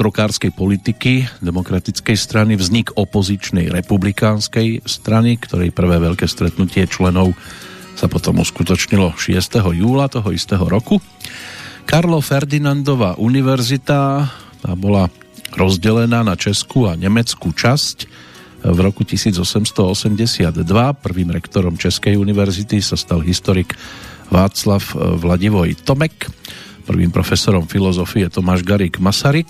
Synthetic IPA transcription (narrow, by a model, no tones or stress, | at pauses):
t̪ɾɔkaːɾskɛjpɔlit̪ikid̪ɛmɔkɾat̪it͡skɛjst̪ɾanivzɲikɔpɔzit͡ʃnɛjɾɛpublikaːnskɛjst̪ɾanikt̪ɔɾɛjpr̩ʋɛːʋɛʎkɛːst̪ɾɛt̪nucɪɛt͡ʃlɛnɔʊ | sapɔt̪ɔmṵskut̪ɔt͡ʃɲilɔʃɪɛst̪ɛɦɔjuːlat̪ɔɦɔist̪ɛɦɔɾɔku | kaɾlɔfɛɾd̪inand̪ɔʋaːʔuniʋɛɾzit̪at̪aːbɔla | ɾɔzɟɛlɛnaːnat͡ʃɛskuaɲɛmɛt͡skut͡ʃasc | vɾɔkucisiːd͡zɔsɛmst̪ɔɔsɛmɟɛsɪad̪d̪ʋapr̩ʋiːmɾɛkt̪ɔɾɔmt͡ʃɛskɛjuniʋɛɾzit̪isast̪alɦist̪ɔɾiɡʋaːt͡slafʋlaɟiʋɔjt̪ɔmɛkpr̩ʋḭːmpɾɔfɛsɔɾɔmfilɔzɔfiɛt̪ɔmaːʒɡaɾiɡmasaɾik